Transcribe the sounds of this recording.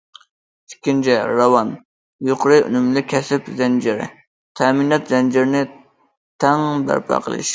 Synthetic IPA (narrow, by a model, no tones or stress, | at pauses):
i̥kʲʰːint͡ʃʰɛɾɑwɑn | joqʰʊɾɨʔy̰nɪmlɪkʲʰɛsɪpzɛnd͡ʒɪɾɪ̰ | t̪ʰɛminɑt̪zɛnd͡ʒɪɾɪnɪ | t̪ʰɛŋbæ̰ɾpʰɑ̰qʰə̰lˠɨ̰ʃ